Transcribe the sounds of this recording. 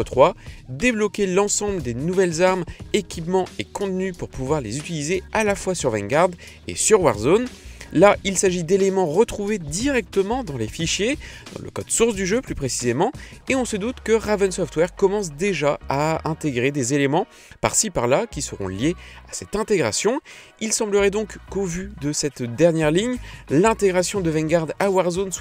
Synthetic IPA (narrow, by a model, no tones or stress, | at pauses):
ət̪χwad̪eblɔkʲelɑ̃sɑ̃bləd̪enuvɛlzaʁmekʲipmɑ̃ekɔ̃t̪nypuʁpuvwaʁlezyt̪ilizealafwasyʁvɛ̃ŋɡaʁd̪ | ḛsyʁwaʁzonlaʔilsaʒid̪elemɑ̃ʁət̪χuved̪iʁɛk̚t̪əmɑ̃d̪ɑ̃lefiʃjed̪̥ɑ̰̃lʔə̰kɔ̰d̪suʁsd̪yʒøplypχesizemɑ̃eɔ̃səd̪ut̪kəʁavɛnsɔft̪wɛʁkɔmɑ̃s̬d̪eʒaaɛ̃t̪eɡʁed̪ezelemɑ̃ | pa̰ʁsipaʁlakʲisəʁɔ̰̃ljeasɛt̪ɛ̃t̪eɡʁa̰sjɔ̃ | ilsɑ̃bləʁɛd̪ɔ̃kkovyd̪əsɛt̪d̪ɛʁnjɛʁliɲlɛ̃t̪eɡʁasjɔ̃d̪əvɛ̃ŋɡaʁd̪awaʁzons